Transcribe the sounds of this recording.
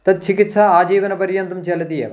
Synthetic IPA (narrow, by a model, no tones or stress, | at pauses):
t̪ɐd̪̚t͡ʃʰikit̪sɐaːd͡ʒiːʋɐnɐpɐɾjɐnd̪ɐmt͡ʃelɐd̪ijɐ̰